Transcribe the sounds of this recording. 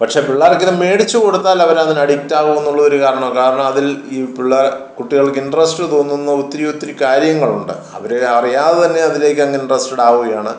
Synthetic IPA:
pɐʈʂe̞ːpiɭːaːrekːɐðɐme̞ːɽit͡ɕːuko̞ɽut̪ːaːlɐʋɐɾanːinɐɽiktːaːʋume̞nːuɭːɐðo̞ɾukaːɾɐɳɐmkaːɾɐɳɐmɐðiliːpiɭːɐrkuʈːiɣɐɭkːinɖrɐsʈɨt̪o̞ːnːunːɐut̪ːɐɾijut̪ːiɾikʲaːɾjɐŋːɐɭuɳɖɨ̰ | ɐ̰ʋɐɾeɐrijaːðet̪ɐnːe̞ɐðile̞ːkʲːɐŋːɐinɖrɐsʈeɽaːɣuɣɐjaːɳɨ

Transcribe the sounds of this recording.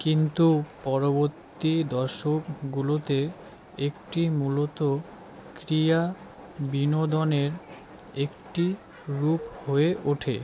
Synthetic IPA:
kint̪upɔɾoboɾt̪ːid̪ɔɾʃokɡulot̪e | ekʈimulot̪o | kɾija | binod̪oneɾ | ekʈi | ɾuphoeʔuʈʰḛ

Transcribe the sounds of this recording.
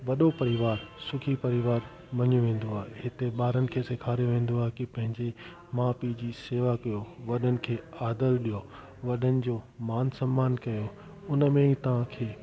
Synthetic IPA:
ʋɐɗopɐɾɪʋaːɾsʊkʰipɐɾɪʋaːɾ | mɐɲjuʋẽːn̆d̪oaːɦehɪt̪eɓaːɾənɪ̆kʰeːsɪkʰaːɾijoʋẽːn̆d̪oaːɦekipɐ̃ɦɪ̃ɲd͡ʑe | maːpid͡ʑiːseːʋakɐjoʋɐɗənɪ̆kʰeːaːd̪əlɗijo | ʋɐɗənɪ̆d͡ʑoːmaːnsɐ̃mːaːnkɐjo | ʊnəmẽɦit̪ɐʋ̤ãkʰeː

